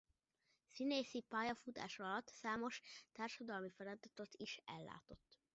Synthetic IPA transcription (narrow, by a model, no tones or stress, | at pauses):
sineːsipaːjɒfut̪a̰ːʃɒlɒt̪saːmo̞ʃt̪aːrʃɒd̪ɒlmifɛɾɛt̪ɛt̪ot̪iʃɛ̰lːa̰ːt̪o̞t̪ː